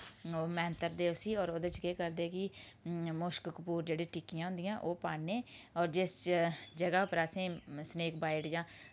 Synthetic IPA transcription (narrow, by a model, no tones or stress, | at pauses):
oːmɛ̃ːnt̪əɾd̪eːʊsiːɔːɾoːd̪et͡ʃkeːkəɾd̪eːkɪ | mʊʃkkpuːɾd͡ʒeːɽĩːʈiːkijãːɦʊ̃nd̪ijãːʔoːpaːneːɔːɾd͡ʒɪsd͡ʒəɡaːpəɾəsĩːsneːkbaːɪʈd͡ʒãː